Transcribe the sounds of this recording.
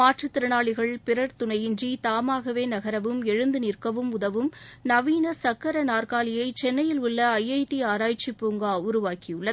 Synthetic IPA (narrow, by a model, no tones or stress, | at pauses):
aːʈrɯt̪ːɪɾɯɳaːɭɪɣɐɭpɪɾɐɾt̪ʊɳɐjɪnd͡ʒit̪aːmaːɣɐʋeːnɐɣɐɾɐʋɯmɛɻɯnd̪ɯnirkɐʋɯmʊðɐʋɯmnɐʋiːnɐsɐkːɐɾɐnaːrkaːlɪjɐɪt͡ʃɛnːɐjɪlʊɭːɐɐjɐɪʈiaːɾaːjt͡ʃːipːuːŋɡaːʊɾʊʋaːkɪjɯɭːɐ